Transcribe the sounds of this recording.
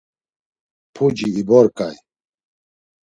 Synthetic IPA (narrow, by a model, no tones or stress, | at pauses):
pʰud͡ʒiːbɔɾkʼaj